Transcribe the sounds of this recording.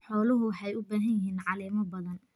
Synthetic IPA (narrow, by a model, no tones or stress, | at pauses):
ħɔːlɐɦʊwɑħɛjʊbaːɦɐnjɪɦiːnʕɑlɛːmɐbɐðɐn